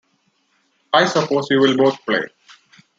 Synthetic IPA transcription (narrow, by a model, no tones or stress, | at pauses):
aɪsəpoːzhiːʋɪlboːt̪̚ʰplḛː